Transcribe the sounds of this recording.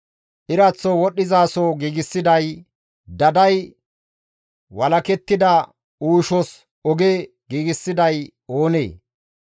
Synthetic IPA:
ʔɪɾɐt͡sːɔwɔɗːɪzaːsoɡiːɡɪsːɪd̪ɐj | d̪ɐd̪ɐj | wɐlɐkɛt̪ːɪd̪ɐ | uːʃɔs | ɔɡe | ɡiːɡɪsːɪd̪ɐj | oːnḛː

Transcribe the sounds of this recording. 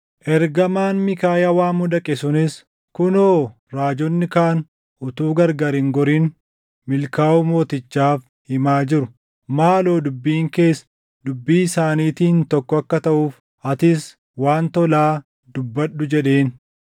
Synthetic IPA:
ʔɛɾɡɐmaːnmɪkaːjɐwaːmʊd̪ɐkʼɛsʊnɪs | kʊnoː | ɾaːd͡ʒɔnːɪkaːn | ʔʊt̪uːɡɐɾɡaːɾɪŋɡɔɾiːn | mɪlkaːʊmo̞ːt̪ɪt͡ʃːaːf | hɪmaːd͡ʒɪɾʊ | maːlo̞ːd̪ʊbːiːŋke̞ːs | d̪ʊbːiːsaːniːt̪iːnt̪ɔkːɔɐkːɐt̪ɐʔuːf | ɐt̪ɪs | waːnt̪ɔlaː | d̪ʊbːɐɗːʊd͡ʒɛᶑe̞ːn

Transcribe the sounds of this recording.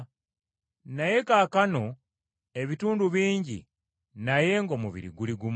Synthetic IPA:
naje̞kaːkano̞ | e̞βituːnduβiːɲɟḭ | naje̞ŋɡo̞ːmuβḭɾḭɡuliɡum

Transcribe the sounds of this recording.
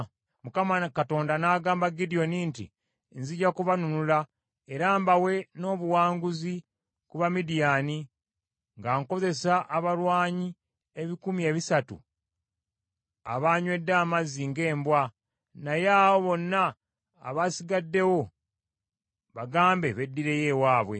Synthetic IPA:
mukamakato̞ːndanaːɡaːmbaɡidio̞nintḭ | nziɟakuβanunula | e̞ɾaːmbawe̞no̞ːβuwaːŋɡuzi | kuβamidijaːni | ŋɡaŋko̞ze̞saʔːβalwaːɲi | e̞βikumie̞ːβisatṵ | a̰βaːɲwe̞dːaːmaziŋɡe̞ːmbwa | najaːwo̞βo̞nːa̰ː | βasiɡadːe̞wo̞ | βaɡaːmbe̞βe̞dːiɾe̞je̞waːβwe̞̰

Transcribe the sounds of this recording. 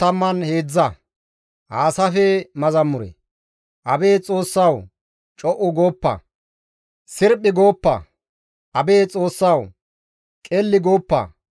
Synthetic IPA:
t̪ɐmːɐnhe̞ːd͡zːɐ | haːsɐfɛmɐzɐmːʊɾɛ̰ | ʔɐbe̞ːt͡sʼo̞ːsːɐw | t͡ʃʼɔʔʊɡoːpːɐ̰ | sɪɾpʼːɪɡo̞ːpːɐ̰ | ʔɐbe̞ːt͡sʼo̞ːsːɐw | kʼɛlːɪɡoːpːɐ̰

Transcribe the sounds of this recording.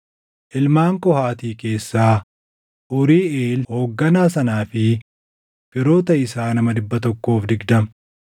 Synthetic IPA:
ʔɪlmaːŋkɔhaːt̪iːke̞ːsːaː | ʔʊɾiːeːlho̞ːɡːɐnaːsɐnaːfɪ | fɪɾo̞ːt̪ɐɪsaːnɐmɐd̪ɪbːɐt̪ɔkːo̞ːfd̪ɪɡd̪ɐm

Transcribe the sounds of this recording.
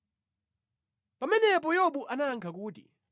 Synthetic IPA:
pamɛnɛpɔjɔɓuʔanaŋkʰak̬uːtḭ

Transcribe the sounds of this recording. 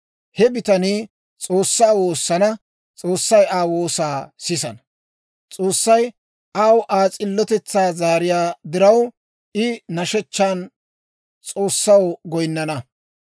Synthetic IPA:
hɛbɪt̪ɐniː | t͡sʼoːsːaːwoːsːɐnɐ | t͡sʼoːsːɐjaːwoːsaːsɪsɐnɐ̥ | t͡sʼoːsːɐj | ʔaːwʔaːt͡sʼɪlːɔt̪ɛt͡sːaːzaːɾɪjaːd̪ɪɾɐw | ʔɪnɐʃɛt͡ʃːaːn | t͡sʼo̞ːsːɐwɡɔjnːɐnɐ

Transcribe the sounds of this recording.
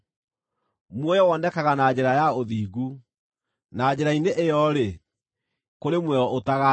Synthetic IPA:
mwɔjɔwɔnɛkaɣanad͡ʑɛɾajaoðiːɣu | nad͡ʑɛɾaineʔejɔɾe | koɾemwɛɔotaɣa

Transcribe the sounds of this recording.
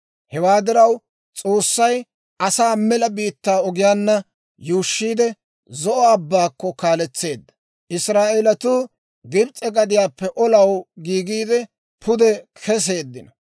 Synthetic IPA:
hɛwaːd̪ɪɾɐw | t͡sʼo̞ːsːɐj | ʔɐsaːmɛlɐbiːt̪ːaːɔɡɪjaːnːɐ | juːʃːiːd̪ɛ | zɔʔɔɐbːaːkːɔkaːlɛt͡sːe̞ːd̪ːɐ̥ | ʔɪsɾaːʔɛlɐt̪uː | ɡɪbt͡sʼːɛɡɐd̪ɪjaːpːɛʔɔlɐwɡiːɡiːd̪ɛ | pʰʊd̪ɛkʰɛs̬e̞ːd̪ːɪnɐ

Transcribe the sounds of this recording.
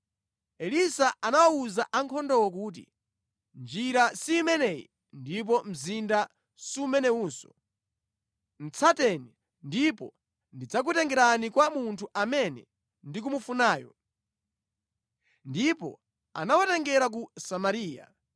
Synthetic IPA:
ɛlisaʔanawawuzaʔaŋkʰɔndɔwɔk̬uːt̬ḭ | nd͡ʒiɾasiːmɛnɛjḭ | ndip̬ɔm̩zinda | siumɛnɛuːnsɔ̥ | n̩t͡sʰatɛni | ndipɔ | ndid͡zak̬utɛŋɡɛɾanikwamuntʰuʔamɛnɛ̰ | ndik̬umufunaːjɔ | ndipɔ̰ | a̰nawatɛŋɡɛɾak̬usamaɾiːja̰

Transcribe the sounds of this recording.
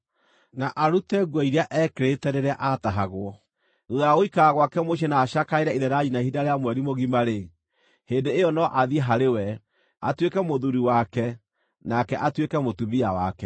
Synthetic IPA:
naʔaɾutɛɣwɔiɾeaʔɛkeɾetɛɾeɾɛaʔataɦaɣwɔ | nuðaaɣoikaaɣwakɛmoʃ̬ɛnaːʃakaeɾɛiðɛɾaɲinaihidaɾeamwɛɾimoɣimaɾe | heːndeːjɔnɔʔaðiɛɦaɾewɛ | atwekɛmoðuɾiwakɛ | nakɛʔatwekɛmotuβiawa̰kɛ

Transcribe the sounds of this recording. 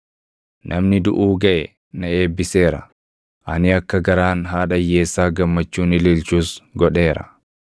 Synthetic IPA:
nʔɐmnɪd̪ʊʔuːɡɐʔɛ | nɐe̞ːbːɪse̞ːɾɐ | ʔɐnɪɐkːɐɡɐɾaːnɦaːᶑɐjːe̞ːsːaːɡɐmːɐt͡ʃːuːnɪlɪlt͡ʃuːsɡɔᶑe̞ːɾɐ̰

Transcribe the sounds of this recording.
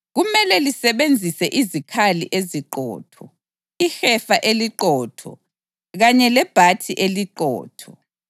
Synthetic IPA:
ɣumɛlɛlisɛβend͡zʱisɛʔizikʰalḭʔeziǃɔ̰ːtʰɔ | ixɛfaʔeliǃɔːtʰɔ̰ | ɣaɲɛlɛb̥ʱatʰiʔeliǃɔ̰ːtʰɔ

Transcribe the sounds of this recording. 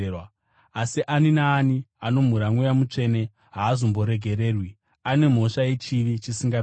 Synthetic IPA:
wa | asiʔaninaːniano̞m̤uɾaŋwujamut͡ʂe̞ːne̞ | ɦaːzombo̞ɾe̞ɡʱe̞ɾe̞ːrwi | ane̞m̤o̞ʃaje̞t͡ʃiʋit͡ʃisiŋɡa

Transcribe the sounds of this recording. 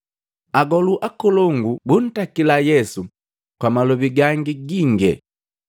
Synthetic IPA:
aɡɔluʔakɔlɔŋɡubun̩takilajɛsu | kwamalɔbiɡaŋɡiɡiŋɡɛ̰

